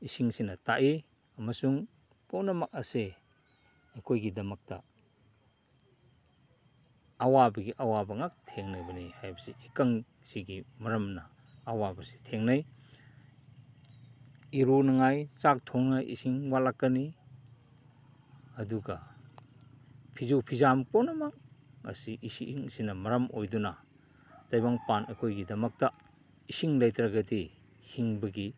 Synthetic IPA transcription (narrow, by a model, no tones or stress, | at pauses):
isiŋsinɐta̰ʔi | ɐmɐsuŋ | puwnɐmɐk̚ɐse | ɐkʰojɡidɐmɐk̚tɐ | wabɐɡiʔɐwabɐŋak̚tʰeŋnajbɐnijhajbɐsiikaŋ | siɡimɐɾɐmnɐː | wabɐsi̥tʰeŋnaj | iɾunɐŋajt͡ʃak̚tʰoŋnajʔḭsiŋwalakːɐni | ɐduɡɐ | pʰizowpʰizamponɐmɐkːɐ̰siʔisḭŋsinɐmɐɾɐmojdunɐ | d̥ajbaŋpanɐkʰojɡidɐmɐk̚tɐ | isiŋlajtɾɐɡɐdi | hiŋbɐɡi